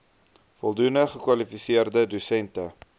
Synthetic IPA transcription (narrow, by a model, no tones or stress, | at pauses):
fɔlˠdunəχəkwɐlifisiərdədusɛntə